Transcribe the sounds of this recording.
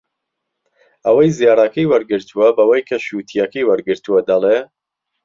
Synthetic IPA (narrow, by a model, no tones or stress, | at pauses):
ʔɐwɐjzijɑːɾakɐjwɐɾɡɨɾt̪ʰuwɐbɐwɐjkʰɐʃut̪ʰijɐkɐjwɐɾɡɨɾt̪uwɐd̪ɐle